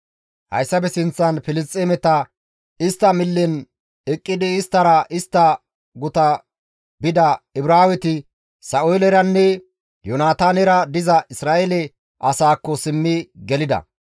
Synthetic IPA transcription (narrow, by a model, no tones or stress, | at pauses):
hɐ̰jsːɐbɛsɪnt͡sːɐnfɪlɪst̪ʼemɛt̪ɐ | ɪst̪ːɐmɪlːɛn | ɛkʼːɪd̪ɪːst̪ːɐɾɐʔɪst̪ːɐ | ɡʊt̪ɐ | bɪd̪ɐɪbɾaːwɛt̪ɪ | sɐʔʊjlɛɾɐnːɛ | jɔnaːt̪aːnɛɾɐd̪ɪzɐʔɪsɾaːʔelɛ | ʔɐsaːkːɔsɪmːɪɡɛlɪd̪ɐ̰